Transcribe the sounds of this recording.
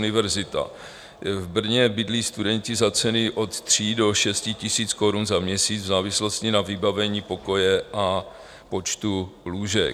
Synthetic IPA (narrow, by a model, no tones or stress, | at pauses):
nɪvɛɾzɪt̪a̰ | vbr̩ɲɛbɪdliːst̪udɛɲcɪzat͡sɛnɪʔo̞t̪t̪r̝̥iːdo̞ʃɛscɪcɪsiːt͡sko̞ɾunzamɲɛsiːd͡zvzaːvɪslo̞scɪnavɪbavɛɲiːpo̞ko̞jɛʔa | po̞t͡ʃt̪uluːʒɛ̰k